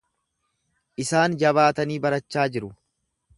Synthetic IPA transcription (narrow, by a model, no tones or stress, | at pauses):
ʔɪsaːnd͡ʒɐβaːt̪ɐniːbɐɾɐt͡ʃːaːd͡ʒɪɾʊ